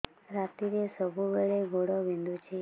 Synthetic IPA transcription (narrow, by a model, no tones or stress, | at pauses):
ɾat̪iɾesəbʱubeɭeɡʱoɽɔʋind̪ut͡ʃʰe